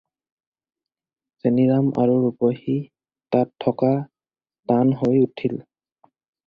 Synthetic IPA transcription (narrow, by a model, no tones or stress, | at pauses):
zeniɹamʔa̰ɹuɹubohi | tatʰːɔka | tanɦojutʰil